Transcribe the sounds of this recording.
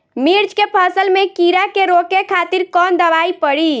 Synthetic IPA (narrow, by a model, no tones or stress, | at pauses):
miɾd͡ʒkepʰəsəlmekiɾakeɾokekʰat̪iɾkɔnd̪əʋaipəɽi